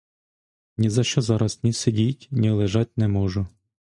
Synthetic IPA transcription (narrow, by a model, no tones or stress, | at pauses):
nʲizɐʃt͡ʃɔzɑɾɐsnʲisedʲitʲnʲilˠeʒɑtʲnɛmɔʒʊ